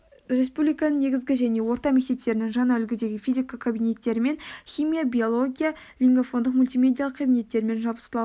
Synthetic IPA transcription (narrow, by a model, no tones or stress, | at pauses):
ɾe̞spublʲijkɑnəɴne̞ɡʲɪzɡʲɪʒæne̞wo̞ɾt̪ɑme̞k̚ʲt̪e̞p̚t̪e̞ɾɪnɪŋʒɑnɑʏlɡʲɪd̪e̞ɡʲɪfʲijzʲikɑkʰabine̞t̪ːe̞ɾɪme̞nχʲijmijabʲijo̞lˠo̞ɡʲija | lʲiŋɡofo̞nd̪əq̚mulʲt̪ijme̞d̪ʲijalˠəqkʰːabine̞t̪ːe̞ɾɪme̞nʒɑlˠbəsə̥əɑ